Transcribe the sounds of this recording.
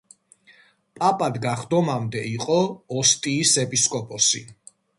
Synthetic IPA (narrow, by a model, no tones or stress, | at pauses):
pʼapʼad̪ɡaχd̪ɔmamd̪ɛiqʼɔɔst̪ʼiːsɛpʼiskʼɔpʼɔsḭ